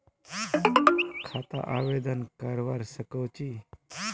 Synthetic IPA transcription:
kʰat̪a̰ʔaʋed̪ənkəɾʋaɾsəkəwt͡ɕiː

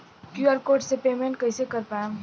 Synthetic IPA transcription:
kjuəɾkoːʈsepeːmẽɳʈ̚kɐɪsekɐɾpajã

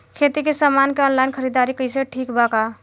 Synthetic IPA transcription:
kʰet̪ikesamankeɔnlajnkʰəɾid̪aɾikəɪseʈʰikbaka

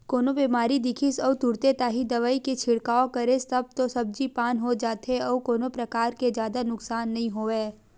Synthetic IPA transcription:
koːnobiːmaːɾid̪ɪkʰɪsɔːʋt̪ʊɾt̪et̪aːɦid̪ɐʋaːiket͡ʃʰɪɽkaːokɐɾest̪ɐb̚t̪osɐb̚d͡ʒipaːnɦod͡ʒaːt̪ɦeɔːkoːnopɾɐkaːɾked͡ʒjaːd̪anʊksaːnːɐɦĩɦoːeː

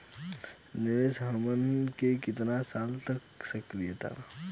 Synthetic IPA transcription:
nɪʋeːsɦəmənkekɪt̪nasaːlt̪əksəkɾijət̪ʰa̰ː

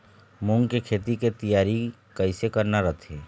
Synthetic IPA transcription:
mʊŋɡkikʰeːt̪iket̪ijaːɾi | kɐɪsekɐɾnaɾɐt̪ʰeː

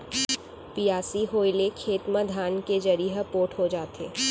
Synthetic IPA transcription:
pijaːsiɦoːjlekʰeːt̪məd̪ʱaːnked͡ʒɐɾiɦəpoːʈɦod͡ʒaːt̪ḛː

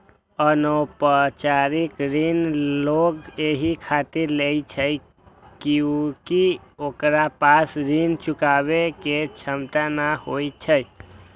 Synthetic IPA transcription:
ənopət͡ʃaɾikɾinloɡeɦikʰat̪iɾleit͡ʃʰəj | kukiokɾapasɾint͡ʃukabeket͡ʃʰəmt̪anahoit͡ʃʰəj

